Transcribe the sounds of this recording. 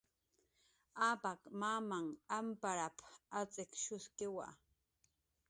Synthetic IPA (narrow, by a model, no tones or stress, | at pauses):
aːpakmamaŋampaɾapat͡sɪkʃʊskɪwa̰